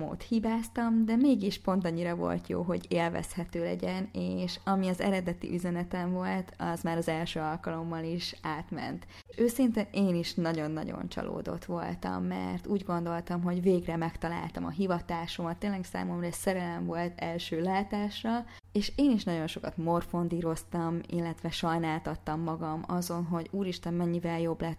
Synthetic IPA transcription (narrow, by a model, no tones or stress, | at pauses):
mo̰ːt̪hibaːst̪ɒmd̪ɛmeːɡiʃpo̞nt̪ɒɲːiɾɒvo̞̰lt̪jo̰ːɦo̞̰ɟeːlvɛ̰shɛt̪øːlɛ̰ɟɛneːʃɒmiɒzɛ̰ɾɛd̪ɛt̪ḭʔyzɛnɛt̪ɛɱvo̞lt̪ʰɒzmaːɾɒzɛlʃøːɒlkɒlo̞mːɒliʃaːt̪mɛ̰nt̪ | ʃøːsint̪eneːniʃnɒɟo̞nːɒ̰ɟo̰nt͡ʃɒ̰lo̰ːd̪o̞̰t̪ʋo̞̰lt̪ɒ̰mːɛ̰rt̪uːɟɡo̞n̪d̪o̞lt̪ɒmɦo̞ɟveːɡrɛmɛkt̪ɒla̰ːlt̪ɒmɒ̰ɦivɒt̪aːʃomɒt̪ːeːnlɛksa̰ːmo̞mrɒɛsɛɾɛlɛɱvo̞lt̪ɛlʃøːlaːt̪aːʃrɒ | eːʃeːniʃnɒɟo̞nʃo̞kɒt̪mo̞rfo̞nd̪iːɾo̞st̪ɒmḭlːɛt̪ʋɛʃɒjnaːlt̪ɒt̪ːɒmːɒɡɒmɒzo̞nɦo̞ɟuːɾiʃt̪ɛmmɛɲːivɛljo̞blɛt̪